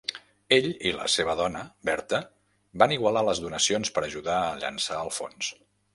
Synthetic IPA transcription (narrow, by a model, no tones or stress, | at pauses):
eʎilə̰seβ̞əðɔnəbɛɾt̪ə | baniɣwəlaləzðunəsionspəɾəʒuðaəʎə̰nsaəlˠfo̰ns